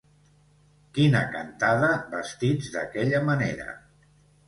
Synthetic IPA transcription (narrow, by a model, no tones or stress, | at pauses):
kinəkant̪aðəbəst̪id͡zd̪əkɛʎəmənḛɾə̰